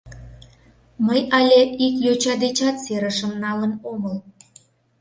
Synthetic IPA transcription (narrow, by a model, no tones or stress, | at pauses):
məjɑlʲeikjot͡ɕɑd̪et͡ɕɑt̪seɾəʃəmnɑlənoməl